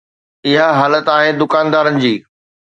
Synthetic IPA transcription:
ɪɦaɦaːlət̪aːɦeːd̪ʊkaːnd̪aːɾənɪ̆d͡ʑiː

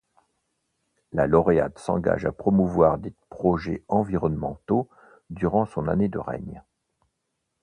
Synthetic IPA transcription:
lalɔʁea̰d̪sɑ̰̃ɡa̰ʒapχɔmuvwaʁd̪epχɔʒɛ̰ɑ̃viʁɔnmɑ̃t̪o | d̪yʁɑ̃sɔ̃na̰ned̪ə̰ʁɛ̰ɲ

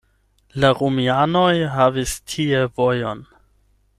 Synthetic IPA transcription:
laɾumiano̞jɦavistʰievojo̞n

